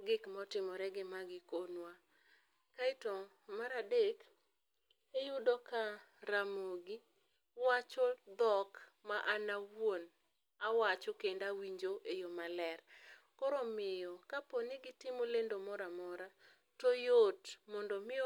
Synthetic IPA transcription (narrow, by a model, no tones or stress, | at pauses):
ɡɪkmɔtɪmɔɾɛɡɪmaɡɪkonwa | kaɪto | maɾadek | ejʊdɔkaɾamoɡɪ | wat͡ʃɔd̪ɔk | maʔanawwon | awat͡ʃɔkendawiɲd͡ʒoʔejomalɛr | kɔɾɔmɪjɔkaponɪɡɪtɪmolendomɔɾamɔɾa | tɔjotmɔndɔmɪ